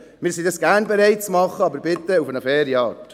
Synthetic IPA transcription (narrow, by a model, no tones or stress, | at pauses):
mɪːɾsidɑsɡ̥æːɾnbɛɾɛɪt̚t͡smɑχːəɑbəɾbɪt̪ːəufənəfɛːɾjɑːt